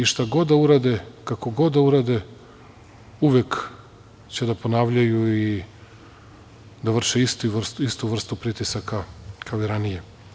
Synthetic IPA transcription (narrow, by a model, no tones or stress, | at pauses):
iʃt̪aɡo̞d̪d̪auɾad̪ekako̞ɡo̞d̪d̪auɾad̪e | uʋek | t͡ɕe̞d̪apo̞naːʋʎajui | d̪aʋr̩ʃeist̪iʋr̩st̪uist̪uʋr̩st̪upɾit̪isakakʰaoiɾanije̞